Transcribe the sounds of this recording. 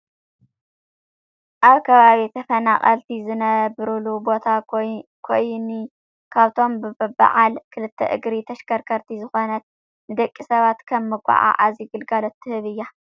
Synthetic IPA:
ʔaβkʰɐβaβit̪ʰɐfɐnaχʼɐlt̪ʰizɨnɐβɾɨlubo̞t̪ʰakʰojni | kʰaβt̪ʰo̞mbɨbɨba̰ʕalkʰɨlɨt̪ʰːɐ̰ʔɨ̰ɡɾit̪ʰɐʃkʰɐɾkʰɐɾt̪ʰizɨxo̞nɐt̪̚ | nɨd̪ɐkʼːisɐβat̪kʰɐmːɨɡʷʼa̰ʕa̰ʔaziɡɨlɡalot̪ʰːɨhɨβɨjːa

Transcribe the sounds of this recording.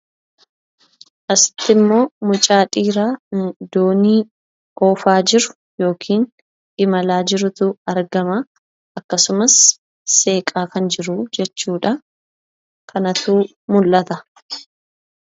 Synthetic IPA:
ʔɐsɪ̥t̪ːɪmːo̞ːmʊt͡ʃʼaːᶑʼiːɾaːd̪oːniː | ʔoːfaːd͡ʒɪɾʊ̥ | jo̞ːkʰiːn | ʔɪmɐlaːd͡ʒɪɾʊt̪ʊɐɾɡɐma | ɐkːɐsʊmɐsː | e̞ːkʼaːkɐnd͡ʒɪɾʊd͡ʒɛt͡ʃːuːᶑɐ | kʰɐnɐt̪uː | mʊlːɐt̪ɐ

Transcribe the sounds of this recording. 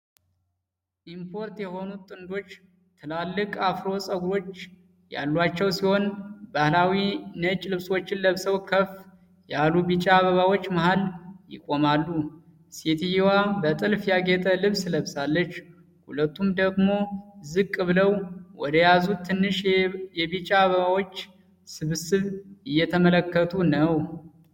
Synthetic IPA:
ʔimpʰo̞ɾt̪jɛho̞nut̪ʼɨnd̪o̞t͡ʃː | t̪ʰɨlalːɨkʼafɾo̞sʼəɡuɾo̞t͡ʃː | ja̰lːwat͡ʃːɛwsiho̞nbahlawinət͡ʃʼlɨβswo̞t͡ʃːɪnləβsəwkʰəf | jalubit͡ʃʼaːβəβawo̞t͡ʃːmaɦaljɪ̰kʼo̞malːu | set̪ʰhiwabət̪ʼɨlfjaɡet̪ʼəlɨβsləβsalːət͡ʃː | hṵlət̪ːumd̪əɡmo̞zɨkʼːɨβɨləwwɔ̰d̪əjazut̪ʰːɨnːɨʃjɛβit͡ʃʼaːβəβawo̞t͡ʃː | sɨβsɨβɪjːɛt̪ʰəmələkːət̪ʰunəw

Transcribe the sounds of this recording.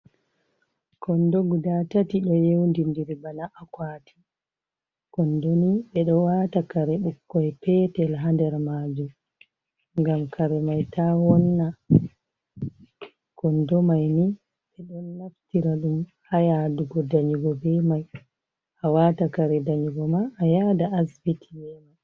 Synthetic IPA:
kɔndoɡudatatiɗɔjewndindiɾbanaʔakwatʰi̥ | kɔndɔniɓɛɗɔwaːtakaɾɛɓukːɔjpɛːtɛlɦandɛɾmaːd͡ʒum | ŋɡamkʰaɾɛmajtʰaːwɔnːa | kɔndɔmajni | ɓɛɗɔnːaftiɾaɗum | hajaduɡɔdaɲuɡɔbɛmaj | ʔawatakaɾɛdaɲuɡɔmaʔːjadaʔasbitʰijɛma

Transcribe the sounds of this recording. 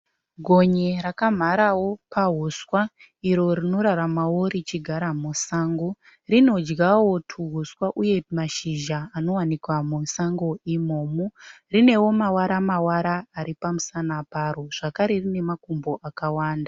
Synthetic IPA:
ɡʱo̞ɲeɾakam̤aɾawo̞paɦuswa | iɾo̞ɾino̞ɾaɾamawoɾit͡ʃiɡʱaɾamusaːŋɡo | rino̞d͡ʒɡawotʰuɦuswaʔuje̞maʃiʒaːno̞wanikwamusaŋɡo̞imoːmu | rine̞wo̞mawaɾamawaɾaːɾipamusanaparo̞ʐ̥akaɾe̞rine̞makumbo̞ʔakawaːnda

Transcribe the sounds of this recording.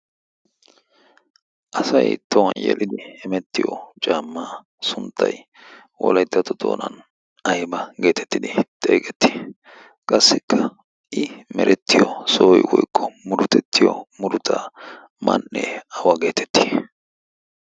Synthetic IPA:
ʔɐsɐjt̪owɐnjɛ̰lʔɪd̪ɪɪmɛt̪ːɪjɔt͡ʃʼaːmːaː | sʊnt̪ʰːɐj | wɔ̰lɐjt̪ːɐt̪ʊd̪o̰ːnɐn | ɐjbɐɡe̞ːt̪ʰɛ̥t̪ːɪd̪ɪt̪ʼḛːkʼɛt̪ːi̥ | kʼɐsːɪkʰːɐ | ʔɪmɛɾʔɛt̪ːɪjɔsoːjwɔjkʼːɔmʊɾʊt̪ɛt̪ːɪjɔ̰mʊɾʊt̪ʰɐ | mɐ̰nːɛɐwɐɡe̞ːt̪ʰɛ̥t̪ːi̥ː

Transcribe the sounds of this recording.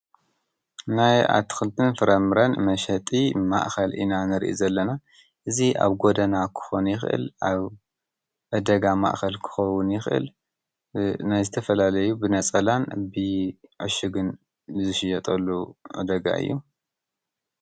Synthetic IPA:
naja̰t̪ʰːɨ̥xɨlt̪ʰʼɨnfɨɾɐmɨɾɐnmɐʃɐt̪ʼima̰ʔxɐlʔḭnanɨɾʔḭzɐlːɐna | ʔɨzia̰βɡo̞d̪ɐnakʰɨ̥xo̞njɪxʔɨ̰lʔaβ | ʔɐd̪ɐɡama̰ʔxɐlkʰɨ̥xɐwʊnjɪxʔɨ̰l | najzɨt̪ʰɐfɐlalɐjubɨnɐt͡sʼɐlanbɨʕɨʃɨɡɨn | zɨʃɪjɐt̪ʼɐlːuʔɨ̰d̪ɐɡa̰ʔɨ̰jːu

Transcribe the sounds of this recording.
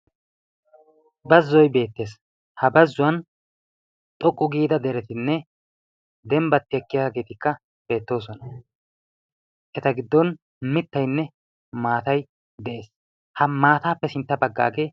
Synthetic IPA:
bɐzːɔjbe̞ːt̪ːe̞ːs | hɐbɐzːʊwɐn | t̪ʼɔkʼːʊɡiːd̪ɐd̪ɛɾɛt̪ɪnːɛ | d̪ɛmbɐt̪ːɪjɐkːɪjaːɡe̞ːt̪ɪkːɐ | b̥e̞ːt̪ːo̞ːs̬ɔnɐ | ʔɛt̪ɐɡɪd̪ːɔn | mɪt̪ːɐjnːɛ | maːt̪ɐj | d̪ɛʔe̞ːs | hɐmaːt̪aːpːɛsɪnt̪ːɐbɐɡːa̰ːɡe̞ː

